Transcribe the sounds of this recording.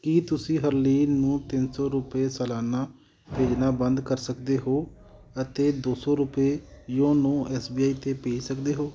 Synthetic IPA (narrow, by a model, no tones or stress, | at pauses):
kiːt̪ʊsĩːɦəɾliːnũːt̪ɪnsɔːɾʊpeːsɛːlaːnaː | peːd͡ʒnaːbə̃nd̪kəɾsəkd̪eːɦoː | ət̪eːd̪oːsɔːɾʊpeːjõːnũːɛːsbiːaːiːt̪eːpeːd͡ʒsəkd̪eːɦoː